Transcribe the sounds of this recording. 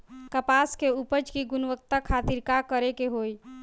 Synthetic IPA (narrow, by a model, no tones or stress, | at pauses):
kəpaskeupəd͡ʒkiɡʊnʋək̚t̪akʰat̪iɾkakəɾekeɦoi